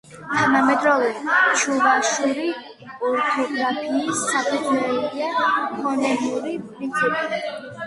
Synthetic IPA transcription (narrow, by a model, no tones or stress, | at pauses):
t̪ʰanamɛd̪ɾɔvɛʃʰuvaʃuɾi | ɔɾt̪ʰɔɡʼɾapʰiːsːakʰaɾt̪ʰɛɛbiapʰɔnɛbuɾipʼɾint̪sʰipʼi